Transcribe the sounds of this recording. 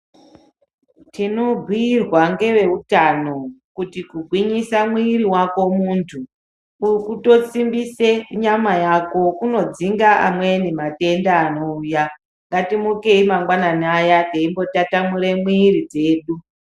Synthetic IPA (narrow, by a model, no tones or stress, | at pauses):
tino̞ɡʱwiːrwaŋɡe̞ʋe̞utano̞kutikuɡʱwiɲisamwiːɾiwako̞muntʰu | ukuto̞t͡simbiseɲamajako̞kuno̞d͡ziŋɡaʔa̰mwenimate̞ndaːno̞uːja | ŋɡatimukeimaŋɡwananajaɡeimbo̞tatamuɾe̞mwiːɾid͡ze̞ːɗu